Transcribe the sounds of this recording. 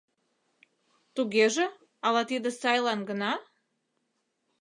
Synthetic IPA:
t̪uɣeʒĕ | ɑlɑt̪id̪əsɑjlɑnɡənɑ

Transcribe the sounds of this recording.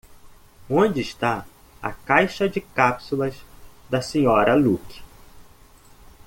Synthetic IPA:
õd͡ʒɪːʃt̪a | ɐ̰kajʃɐd͡ʒɪkapsulɐzd̪ɐsẽɲɔɾɐlukɪ̥

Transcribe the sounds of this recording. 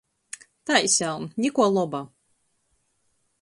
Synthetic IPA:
t̪ajsʲalˠnnʲikuɔlˠɔba

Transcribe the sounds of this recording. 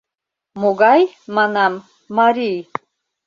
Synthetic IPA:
muɡajmanamː | aɾij

